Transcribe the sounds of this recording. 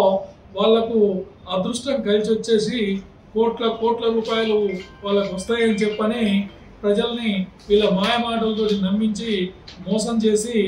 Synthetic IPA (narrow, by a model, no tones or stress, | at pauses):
ʋaːɭːɐku | ɐd̪ɾuʂʈɐŋkɐlit͡ʃiʋɐt͡ʃːe̞ːsi | koːʈlɐkɔːʈlɐɾuːpaːjɐluʋaːɭːɐkuʋɐst̪aːjɐnit͡ʃɛpːɐni | pɾɐd͡ʒɐlɐniʋiːɭːɐmaːjɐmaːʈɐlɐt̪oːninɐmːiɲt͡ʃimɔːsɐmt͡ʃe̞ːsi